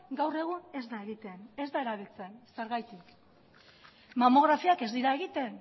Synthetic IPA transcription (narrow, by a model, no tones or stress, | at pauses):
ɡawre̞ɣ̞une̞zd̪ae̞ɣit̪e̞ne̞zd̪ae̞ɾaβilt͡se̞nseɾɣajt̪ik | mamo̞ɣ̞ɾafiake̞zd̪iɾae̞ɣit̪e̞n